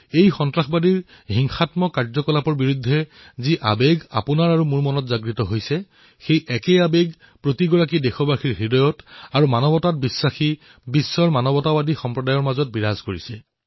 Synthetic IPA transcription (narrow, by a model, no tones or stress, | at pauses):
ejxɔntɹaxbadiɹ | ɦiŋxatmɔkaɹzɔkɔlapɔɹbiɹudʱːɛ | ziʔa̰beɡa̰punaɹaɹumuɹmɔnɔtzaɡɹitɔɦojsɛ | xejʔɛkɛabeɡ | pɹotiɡɔɹakidexɔbaxiɹɦidɔjɔtaɹumanɔbɔtat̚bisːaxi | bisːɔɹmanɔbɔtawadixɔmpɹɔdajɔɹmazɔt̚biɹazkoɹisɛ